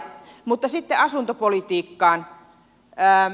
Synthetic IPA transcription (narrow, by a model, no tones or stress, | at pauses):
mut̪ːɑsit̪ːeɑsunt̪opolit̪iːkːɑːn | ə